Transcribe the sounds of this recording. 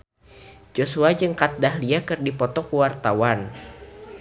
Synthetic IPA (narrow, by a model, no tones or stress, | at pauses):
d͡ʒosuad͡ʒɨŋkat̪̚daɦliakɨrdipɔt̪ɔkuwart̪awan